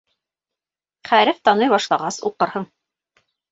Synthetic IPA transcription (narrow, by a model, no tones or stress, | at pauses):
χæɾɘft̪ɑnɤjβɑʃlˠɑʁɑsṵqɤ̆ɾhɤɴ